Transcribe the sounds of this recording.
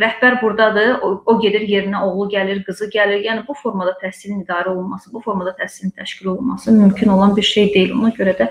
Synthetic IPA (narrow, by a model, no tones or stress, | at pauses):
ɾæhbæɾbuɾd̪ɑd̪ɯo̞ɟe̞d̪iɾje̞ɾinæo̞ɣlˠuɟæliɾɡɯzɯɟæliɾjæːnibufo̞ɾmɑd̪ɑt̪ʰæsilinid̪ɑːɾæo̞lˠunmɑsɯbufo̞ɾmɑd̪ɑt̪ʰæsilint̪ʰæʃcilolˠunmɑsɯmymcʰino̞lˠɑnbiɾʃe̞jd̪e̞jilʲo̞nɑɟø̞ɾæd̪æ